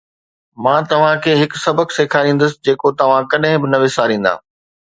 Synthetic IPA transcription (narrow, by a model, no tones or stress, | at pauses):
mãːt̪ɐʋ̤ãkʰeːɦɪksɐbəkseːkʰaːɾĩːn̆d̪əsɪ̆d͡ʑeːkot̪ɐʋ̤ãkɐɗɦɪ̃bɪnɐʋɪsaːɾĩːn̆d̪a̰ː